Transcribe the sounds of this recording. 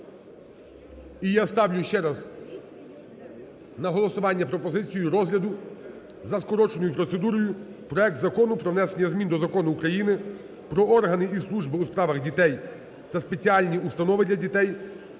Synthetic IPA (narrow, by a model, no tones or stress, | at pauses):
ijast̪ɑwlʲʊʃt͡ʃɛɾɐz | nɐɦɔlˠɔsʊʋɑnʲːɐpɾɔpɔzɪt͡sʲijʊɾɔzɦlʲɐd̪ʊ | zɐskɔɾɔt͡ʃenʊjʊpɾɔt̪se̞d̪uɾɔjʊpɾɔɛk̚t̪zɐkɔnʊpɾɔʋnɛsenʲɐzmʲind̪ɔzɐkɔnʊːkɾɐjinɪ | pɾɔɔrɦɐnɪislˠuʒbɪuspɾɑʋɐɣdʲit̪ɛj | t̪ɐspe̞t͡sʲiɑlʲnʲiust̪ɐnɔʋɪd̪ʲlʲɐdʲit̪ɛj